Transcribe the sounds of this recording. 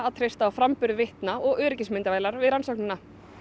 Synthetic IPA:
aðt̪ʰɾejst̪aːwfɾampʏɾðʏvɪht̪naɔɣœːɾɪcɪsmɪnt̪avajlaɾvɪðɾansowknʏnːa

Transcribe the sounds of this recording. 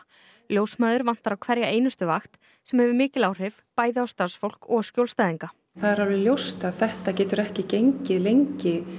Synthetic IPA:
ljowsmaːðʏɾvan̥t̪aɾawkʰvɛɾjaʔeːjnʏst̪ʏvaxt̪ | sɛmhɛvʏɾmɪːcɪlaːwr̥ɪvpaːjðɪawst̪aɾsfowl̥kɔɣscjowlst̪ajðiŋka | θaðɛɾavlɪljowst̪aðθɛht̪acɛːt̪ʏɾɛhcɪcejɲcɪðlejɲcɪ

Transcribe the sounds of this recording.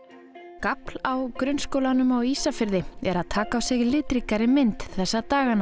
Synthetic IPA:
kapl̥awkɾʏnskowlanʏmawiːsafɪɾðɪɛɾaðt̪ʰaːkaawsɪɣlɪːt̪ɾikaɾɪmɪnt̪θɛsːat̪aːɣan

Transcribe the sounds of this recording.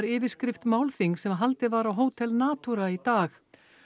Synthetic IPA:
ɾɪːvɪ̥skɾɪft̪maːwlθiŋsɛmɦalt̪ɪvaɾawɦoːwt̪ʰɛlnaːt̪uɾait̪aːx

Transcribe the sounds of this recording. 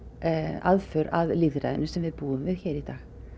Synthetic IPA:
a̰ðfʏɾavliðɾa̰jðɪ̰nʏsɛmvɪðpuːʏmɪçɛːɾit̪aːx

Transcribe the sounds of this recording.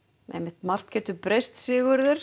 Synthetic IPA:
ḛjmːɪht̪mar̥t̪cʰɛːt̪ʏpɾejst̪sɪːɣʏɾðʏɾ̥

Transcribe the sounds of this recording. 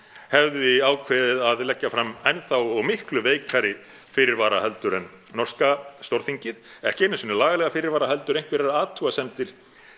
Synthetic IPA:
hɛvðʏiaːwkʰvɛːðɪðaðlɛcːafɾamɛnθawɔɣmɪhklʏveːjkʰaɾɪ | fɪɾɪɾvaːɾahɛlt̪ʏɾɛn | nɔr̥skast̪owɾ̥θiɲcɪð̥ɛhcɪɛnɪnsɪnːɪlaːɣalɛɣafɪːɾɪɾvaːɾaɦɛl̪t̪ʏɾejŋ̥kvɪɾaɾaːt̪ʰuasɛmt̪ɪɾ̥

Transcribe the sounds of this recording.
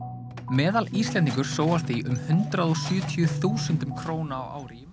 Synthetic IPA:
mɛːðalist̪lɛnt̪iŋkʏɾ̥soːwɣasθiʔʏmhʏnt̪ɾaðɔsʏːt̪ʰjʏθuːsɛnt̪ʏmkʰɾoːwnaːwʔa̰ːwɾi

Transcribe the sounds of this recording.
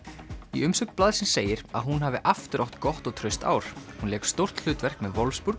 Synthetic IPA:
ḭʏmsœk̪plaːðsɪnseːjɪɾa̰ðɦunɦaːvɪʔaft̪ʏɾʔawht̪kɔht̪ɔɣt̪ʰɾœɥst̪a̰ːwɾ̥hunlɛːkst̪owr̥t̪l̥ʏːt̪vɛr̥kmɛðvɔlvfspuɾ̥k

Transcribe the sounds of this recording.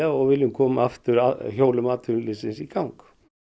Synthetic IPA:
aɔɣvɪljʏmkʰɔːmaaft̪ʏɾaçoːwlʏmaːt̪ʰʏnlɪsɪnsikawŋk

